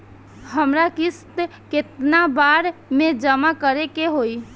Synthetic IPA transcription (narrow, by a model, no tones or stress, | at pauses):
ɦəmɾakist̪ket̪nabaɾmed͡ʒəmakəɾekeɦoi